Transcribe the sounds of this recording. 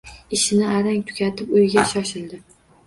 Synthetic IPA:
ɪʃɪnɪaɾaŋʲt̪ʰʊ̥kʲat̪ʰɪpʊjɡʲaʃɒʃɪld̪ɪ

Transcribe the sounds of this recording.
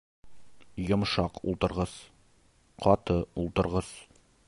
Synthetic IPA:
jŏmʃɑqṵlˠt̪ɤ̆ɾʁɤz̥ | qʰɒt̪ɤulˠt̪ɤ̆ɾʁɤz̥

